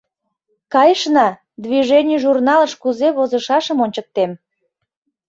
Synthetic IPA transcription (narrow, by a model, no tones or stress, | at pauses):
kɑjəʃnɑ | d̪βiʒenʲijʒurnɑləʃkuzeβozəʃɑʃəmonʲt͡ɕək̚t̪em